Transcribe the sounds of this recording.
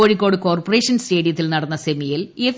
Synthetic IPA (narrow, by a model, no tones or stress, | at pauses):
oːɻikʲːo̞ːɽɨko̞ːrpɐre̞ːʂɐnste̞ːɽjɐt̪ːilnɐɽɐnːɐsemijilef